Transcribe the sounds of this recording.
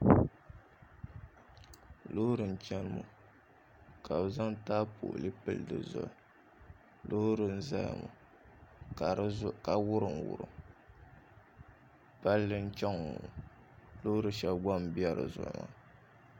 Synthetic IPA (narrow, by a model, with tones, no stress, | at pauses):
lo˦hɾɨ˨n̩˨t͡ʃɛ˦n˦mṵ˦ | kʰa˨bza˦ŋtaː˦po̰˨ʔlɨ˦pɨ˦ldɨ̰˨zʊ̰˨ | lo˦hʊ˦ɾɨ˨n̩˦za˦j̰mṵ˨ | a˨ka˨wʊ˦ɾɨ˨ŋwʊ̰˨ɾɨ̰˦ | pa˦lːɨ˦n̩˦t͡ʃɛ˦ŋː˨u˨ | lo˦ʊ˦ɾɨ˨ʃɛ˦bɡa˦m˨bi˦ɛ˦ɾɨ̰˨zʊ̰˨ʔŋa̰˨˦